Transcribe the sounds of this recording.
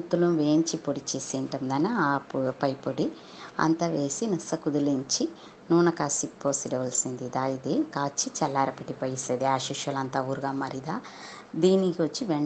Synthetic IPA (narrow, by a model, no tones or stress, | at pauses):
t̪ːuluʋe̞ːɲt͡ʃipoɽit͡ʃeːseːɳʈɐnd̪ɐnɐːpɐjpoɽi | ɐ̰nt̪ɐʋeːsinisɐkud̪uliɲt͡ʃi | nuːnɐkaːsipːoːsiɖɐʋɐlsind̪id̪aːjid̪ekaːt͡ʃːit͡ʃɛlːaːɾɐpiʈipɐjiseːd̪iaːʃiʃjɐlɐnt̪aːuːɾuɡaːmɐɾid̪aː | d̪iːnikiʋɐt͡ʃːiʋɛɳ